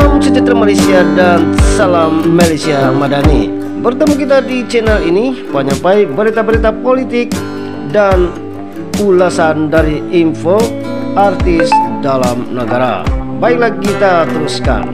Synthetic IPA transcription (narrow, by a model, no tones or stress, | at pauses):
amsəd͡ʒat̪ərmalajsiadansalamːalajsiamadanḭ | bərt̪əmukit̪̬adid͡ʒɛnalinipaɲampaibəɾit̪abəɾit̪apolit̪ɪk̚ | dan | ulasandaɾiinfo | art̪ɪsdalamnəɡaɾa̰baik̚lakit̪at̪əɾuska̰n